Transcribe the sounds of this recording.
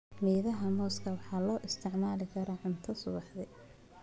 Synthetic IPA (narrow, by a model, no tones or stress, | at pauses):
miːðɐɦɐmɔːskʰɐwɑħɑːlɔːʔɪst̪ʰɪʕmaːlɪkʰɐɾɐːʕʊnt̪ʰɐsʊβɑħdɛ